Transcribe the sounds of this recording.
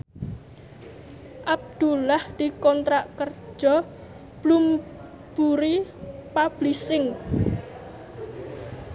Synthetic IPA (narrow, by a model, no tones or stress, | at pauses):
ʔab̚d̪̥ulahd̪̥i̤kɔnt̪ɾaʔkər̥ʒ̥ɔ | b̥lum | b̥uɾipab̥lisɪŋ